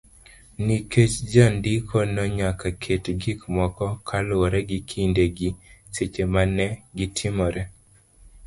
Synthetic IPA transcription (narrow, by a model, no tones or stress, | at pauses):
niket͡ʃd͡ʒandikʰɔnɔɲakakʰetɡikmɔkɔkʰalʊɔɾɛɡikʰindeɡiset͡ʃemanɛɡitʰɪmɔɾɛ